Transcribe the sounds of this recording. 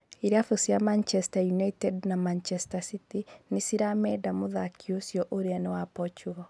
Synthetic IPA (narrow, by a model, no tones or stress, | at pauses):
iɾiafusiamant͡ʃɛstajunaitɛdnamant͡ʃɛstasitinɪsiɾamɛdamoðakʰiosjɔʔoɾianɛwapɔt͡ʃuɣɔ